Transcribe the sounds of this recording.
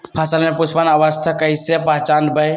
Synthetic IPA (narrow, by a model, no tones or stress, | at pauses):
pʰəsəlmeput͡ʃʰpənəʋəst̪ʰəkəjsepəɦt͡ʃanbəj